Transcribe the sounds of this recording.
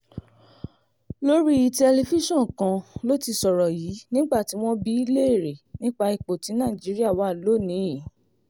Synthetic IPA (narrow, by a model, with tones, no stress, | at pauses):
lo˦ɾi˦i˧tɛ˧le˧fi˦ʃɔ̃˦˨kã˧lo˦ti˧sɔ˨ɾɔ˨jiː˨˦nĩ˦ɡ͡ba˦˨ti˨˦w̃ɔ̃˦bi˦i˦le˦e˦˨ɾe˨nĩ˦k͡pa˧i˧k͡po˨tĩ˨˦nã˦˨d͡ʒi˨˦ɾi˦a˦˨wa˨˦˨lo˨˦˨nĩ˨˦i˦˨